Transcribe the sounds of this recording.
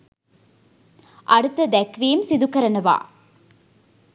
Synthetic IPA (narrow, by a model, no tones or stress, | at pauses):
ʔɐɽut̪ːɐd̪ækʋejmsid̪ukɐɾɐnɐʋa̰ː